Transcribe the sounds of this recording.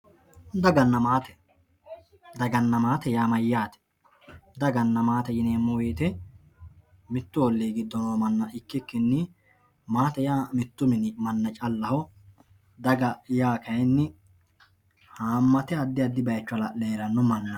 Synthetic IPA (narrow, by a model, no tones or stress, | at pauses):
d̪ɐɡɐnːɐmaːt̪ɛ̥ | d̪ɐɡɐnːɐmaːt̪ɛjaːmɐjːaːt̪ɛ̥ | d̪ɐɡɐnːɐmaːt̪ɛjɪneːmːʊweːt̪ɛ | mɪt̪ːʊɔlːeːɡɪd̪ːɔnoːmɐnːɐʔɪkːɪkːɪnːɪ | maːt̪ɛjaːmɪt̪ːʊmɪnɪmɐnːɐt͡ʃʼɐlːɐhɔ | d̪ɐɡɐjaːkɐjnːɪ | haːmːɐt̪ɛɐd̪ːɪɐd̪ːɪbɐjt͡ʃːʊlɐleːɾɐnʊmɐnːɐ